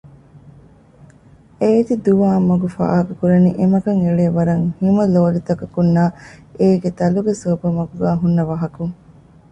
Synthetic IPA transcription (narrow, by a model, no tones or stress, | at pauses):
eit̪id̪uʋaːmːɐɡufa̰ːɦɐkukuɾɐniʔemɐkɐŋeɭeːʋɐɾɐŋhimɐloːɐlit̪ɐkɐkunːaːeːɡet̪ɐluɡesoːbɐmɐɡuɡæːɦunːɐʋɐɦɐkuŋ